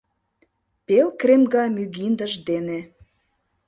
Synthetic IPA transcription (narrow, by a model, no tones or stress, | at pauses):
pelkremɡɑmyɣind̪əʒd̪ene